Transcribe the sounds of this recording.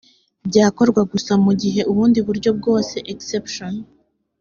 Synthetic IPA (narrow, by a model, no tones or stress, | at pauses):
bɟaːko̞ɾɡwaɡusamuɟiɦe̞uβuːndiβuɾɟo̞b̚ɡo̞ːse̞ʔeksepʃon